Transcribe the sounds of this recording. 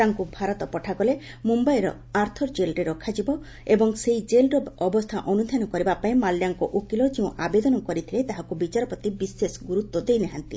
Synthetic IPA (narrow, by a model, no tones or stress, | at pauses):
t̪aŋkubʱaɾɔt̪ɔpɔʈʰakɔle | mumbajɾɔ̰ | aɾt̪ʰɔɾd͡ʒelɾeɾɔkʰad͡ʒibɔ | ebɔŋsejd͡ʒelɾɔɔbɔst̪ʰaʔɔnud̪ʱjanɔkɔɾibapaĩmalːjaŋkɔʔukilɔd͡ʒeũʔabed̪ɔnɔkɔɾit̪ʰilet̪aɦakubit͡ʃaɾɔpɾɔt̪ibisːesɡuɾut̪wɔd̪ejneɦant̪ḭ